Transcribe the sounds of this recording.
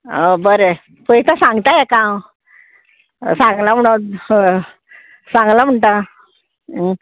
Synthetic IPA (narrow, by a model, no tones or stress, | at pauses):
əbəɾe | pəit̪ãsãŋɡt̪ajɛkãw | sãŋɡlam̤əɽ̃o | sãŋɡlam̤əɳʈ̪a